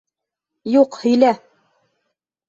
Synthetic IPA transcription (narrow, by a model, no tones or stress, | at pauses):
juqhɵ̆jlæ